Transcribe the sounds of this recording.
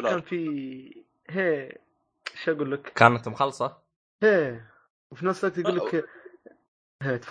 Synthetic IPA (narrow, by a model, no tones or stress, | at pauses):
kaːnfi | ɦeː | ʃʔaɡuːlːakkaːnat̪mʊxɑlsˤɑ | heː | wfinɑsˤakt̪ɡuːlːɪk | ɦeːt̪f